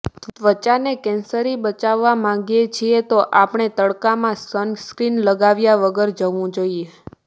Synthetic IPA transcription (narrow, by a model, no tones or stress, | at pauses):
t̪ʋət͡ʃanekɛ̃nsəɾibət͡ʃaʋːamãŋɡjet͡ʃʰiet̪oʔapɳ̃et̪əɽkamãsənskɾinləɡaʋjaʋəɡəɾd͡ʒəʋũd͡ʒoie